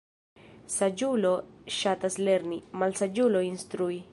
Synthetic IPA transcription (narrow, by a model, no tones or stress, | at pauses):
sad͡ʒulo̞ʃatasle̞ɾnimalsad͡ʒulo̞instɾui